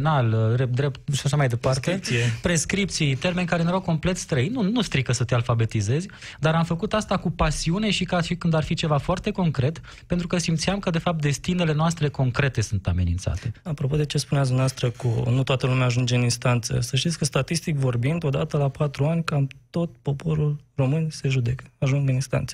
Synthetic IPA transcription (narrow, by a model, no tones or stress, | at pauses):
nalɾep̚d̪ɾept̪̚ʃaʃamajd̪e̞pat̪esepɾe̞skɾip̚t̪sijt̪e̞rme̞nʲkaɾenuɾawko̞mple̞t̪st̪ɾəinːunust̪ɾikəsət̪e̞alfabe̞t̪ize̞zʲ | d̪aɾamfəkut̪ast̪akupasiune̞ʃikaʃikɨnd̪arfit͡ʃe̞vafoart̪e̞ko̞ŋkɾe̞t̪ | pe̞nt̪ɾukəsimt̪sijamkəd̪e̞fap̚t̪̚d̪e̞st̪ine̞le̞noast̪ɾe̞ko̞ŋkɾe̞t̪e̞sunt̪ame̞nint̪sa̰t̪e̞apɾo̞po̞d̪e̞t͡ʃe̞spuneat̪sd̪umneɛast̪ɾəkṵnut̪oat̪əlumʲeaːʒund͡ʒeɨninst̪ant̪sə̰səʃt̪it̪ʲkəst̪at̪ist̪ikʲvo̞rbind̪o̞d̪at̪əlapat̪ɾuanʲkamt̪o̞t̪po̞po̞ɾulro̞mɨnʲse̞ʒud̪ekə̥aʒuŋɡɨninst̪a̰nt̪sə